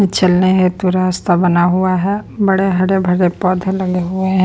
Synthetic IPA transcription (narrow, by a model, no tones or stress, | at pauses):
t͡ʃɐlneɦet̪uɾaːst̪abɐnaɦʊaɦɛːbɐɽeɦɐɽebʱɐɽepɔːd̪ʱlɐɡeɦʊeɦɛ̃